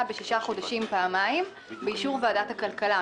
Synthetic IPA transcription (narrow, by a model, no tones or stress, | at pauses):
beʃiʃaχo̞daʃimpaːmaim | beiʃuʁvaadathakalkala